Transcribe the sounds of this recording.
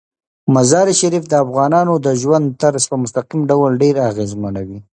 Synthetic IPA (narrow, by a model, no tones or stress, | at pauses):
mazɑɾiʃaɾifd̪əafɣɑnɑnod̪əʒwand̪̚t̪aɾspəmʊst̪aqimɖawlɖeɾaɣezmənawi